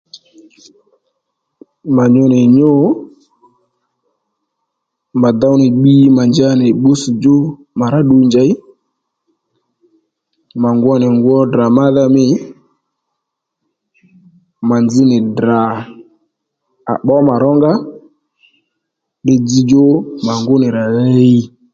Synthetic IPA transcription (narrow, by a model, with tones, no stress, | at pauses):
ma˨ɲo˧nɪ˨ɲo˦ | ma˨d̪a˦wnɪ˨ɓi˦ma˨nd͡ʒa˦nɪ˨ɓo˦su˨d͡ʒo˦ | ma˨ɾa˦ɗu˧nd͡ʒa˨˦ɪ˦ | ma˨ŋɡwɔ˦nɪ˨ŋɡwɔ˦da˨ma˦ða˦mɪ˦ | ma˨nd͡zɪ˦nɪ˨dɾa˨ | a̰˨ɓɔ˦ma˨ɾɔ˦ŋɡa˦ | ɗɪ˧d͡zi˧d͡ʒo˦ma˨ŋɡʊ˦nɪ˨ɾa˨le˦i˦